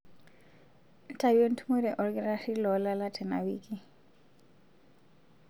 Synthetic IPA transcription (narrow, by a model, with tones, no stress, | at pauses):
n̩˦tʰa˨βie˦n̩˦tʰu˦mu˦ɾɛ˨ʔɔ˨lɡɛ˦ɾa˦ri˦lɔ˨la˦la˦tʰɛ˨na̰˨wiːkʼi˦